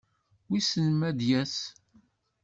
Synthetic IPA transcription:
wisənmæd̪jæs

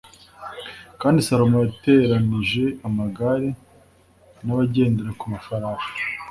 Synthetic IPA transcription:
kaːndisaɾomojate̞ɾaniʒe̞amaɡaɾe | naβaɟe̞ːndeɾekumafaɾaːʃḁ

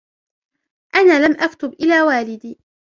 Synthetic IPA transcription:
ʔanaːlamʔakt̪ʊbʔɪlaːwaːlɪd̪iː

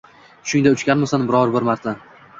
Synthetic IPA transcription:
ʃʊŋd̪aʊt͡ʃkʲanmasanbɪɾɒɾbɪɾmaɾt̪ʰa

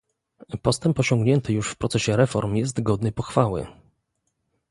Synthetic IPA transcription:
pɔst̪ɛmpɔɕɔ̃ŋɡɲɛnt̪ɘjuʂfpɾɔt̪sɛɕɛɾɛfɔɾmjɛst̪ɡɔd̪nɘpɔxfawɘ̰

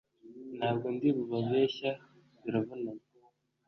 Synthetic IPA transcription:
nhaːbɡondiβuβaβeːɕa | βiɾaβuna

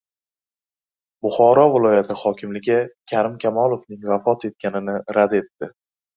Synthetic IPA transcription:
bʊχɒɾɒvɪlˠɒjat̪ʰɪχɒkʲɪmlɪɡʲakʲʰaɾɪmkʲʰamɒlˠofnɪŋvafɒt̪ʰe̞t̪̚kʲanɪnɪɾad̪e̞t̪ːɪ

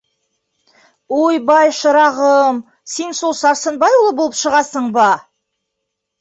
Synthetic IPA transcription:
wojbɑjʃəɾɑʁəm | se̞nsolˠsɑɾsənbɑjwolˠəbolˠəpʃəʁɑsəɴbɑ

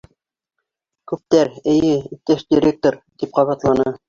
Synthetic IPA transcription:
kʉp̚t̪æɾɘ̆jɘit̪ːæʃd̪ʲiɾʲek̚t̪oɾt̪ip̚qɑβɑt̪lˠɑnɤ

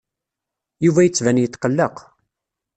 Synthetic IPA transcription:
juvæjət͡sːvænjət̪ːqəlːəq

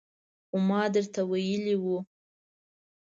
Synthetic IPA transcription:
xomɑd̪əɾt̪awajəliwu

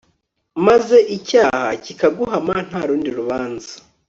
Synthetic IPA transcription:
maze̞ʔicaːha̰cikaɡuɦaman̥haːɾuːndiɾuβaːnza

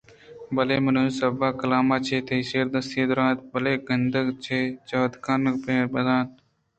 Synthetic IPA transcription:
bɐleːmɐnujsɐbaːkɐlaːmaːt͡ʃʰeːt̪ʰejseːɾd̪ɐsiːd̪ɾaːt̪̚bɐleːɡənd̪əɡt͡ʃʰet͡ʃɐːd̪kaːnɐkpeːbɐd̪aːn

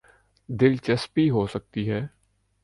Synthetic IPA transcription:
d̪ɪlt͡ʃɐspiɦosək̚t̪iɦɛː

